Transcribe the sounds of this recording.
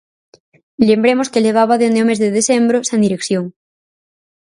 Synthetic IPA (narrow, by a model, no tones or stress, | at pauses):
lembɾemoskeleβ̞aβaðeond̪eomezðeðesembɾosend̪iɾekθjoŋ